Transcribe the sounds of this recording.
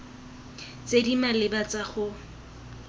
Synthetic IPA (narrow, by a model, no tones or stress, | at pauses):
t͡sedimalɪbat͡saχʊ